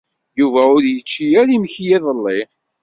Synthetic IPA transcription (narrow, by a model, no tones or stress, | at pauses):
juvæʊɾjət͡ʃːijæɾimçjiðˤəlːɪ